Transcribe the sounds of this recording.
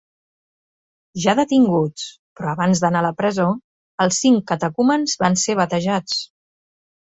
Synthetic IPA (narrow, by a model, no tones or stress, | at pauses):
ʒaðət̪iŋɡut͡s | pɾɔəβanzðənaləpɾəzo | əlˠsːiŋkət̪əkumənzβanseβ̞ət̪əʒat͡s